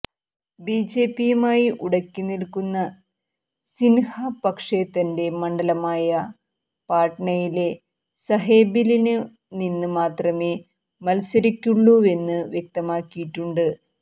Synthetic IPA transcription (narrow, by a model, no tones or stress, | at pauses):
biːd͡ʑe̞ːpːijumaːjiʔuɽɐkʲːunilkːunːɐ | sinhɐpɐkʂe̞t̪ɐnde̞mɐɳɖɐlɐmaːjɐ | paːʈɳɐjile̞ | sɐɦeːbilinɨ | ninːɨmaːt̪rɐme̞ː | mɐlsɐɾikʲːuɭːue̞nːɨʋjek̚t̪ɐmaːkːijiʈːuɳɖɨ